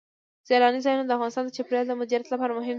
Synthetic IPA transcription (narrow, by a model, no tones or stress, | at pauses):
z̥eɾɑnizɑjunod̪əafɣɑnɪst̪ɑnd̪ət͡ʃapɾɑld̪əmʊd͡ʒaɾat̪lapɑɾamʊɦɪm